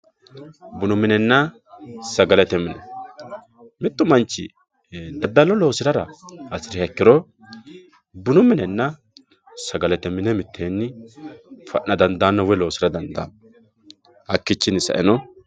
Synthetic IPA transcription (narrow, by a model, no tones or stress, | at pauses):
bʊnʊmːɪnɛnːɐ | sɐɡɐlɛt̪ɛmːɪnɛ | mɪt̪ːʊmɐnt͡ʃːɪ̰ | d̪ɐd̪ːɐlɔlo̞ːsɪɾɐɾɐ̰ɐsɪɾɪhɛkːɪɾɔ | bʊnʊmːɪnɛnːɐ | sɐɡɐlɛt̪ɛmːɪnɛmɪt̪ʰːenːɪ | fɐ̰ʔːɐd̪ɐnd̪aːnːɐwɛlo̞ːsɪɾɐd̪ɐnd̪a̰ | hɐkːɪt͡ʃːɪnɪsɐ̰ʔɛnɔ